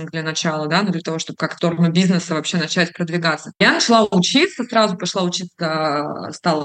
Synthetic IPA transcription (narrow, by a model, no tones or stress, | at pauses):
d̪lʲənɐt͡ɕalˠəd̪anud̪lʲət̪ɐvo̞ʂt̪o̞b̚kakt̪o̞rnʊbʲiznəsəvɐpɕːe̞nɐt͡ɕætʲpɾəd̪vʲɪɡat̪səjanət͡ɕɪlˠaʊt͡ɕit̪səsɾazʊpɐʂlˠaʊt͡ɕit̪sə̰st̪alˠə